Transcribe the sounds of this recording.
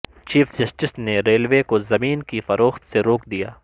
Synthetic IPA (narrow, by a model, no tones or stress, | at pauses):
t͡ʃiːfʰd͡ʒɐsʈɪsneɾeːlʋeːkozɐmiːnkifɐɾoːxt̪seɾoːkd̪ijaː